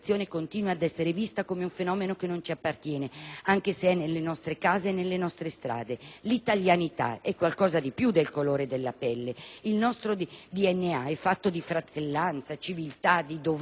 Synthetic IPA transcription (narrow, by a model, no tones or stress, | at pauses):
t̪sːjoːnekont̪inuwaːd̪ɛsːeɾevist̪akoːmeuɱfenɔːmenokenːont͡ʃiapːart̪jɛːneaŋk̟eseɛnːelːenɔst̪ɾekaːzenelːenɔst̪ɾest̪ɾa̰ːd̪elit̪aljanit̪a̰ɛkːwalkɔːzad̪ipjud̪ːelkoloːɾed̪elːa̰pɛlːeilnɔst̪ɾod̪iɛnːeaɛfːat̪ːod̪ifɾat̪elːant̪sat͡ʃivilt̪ad̪id̪o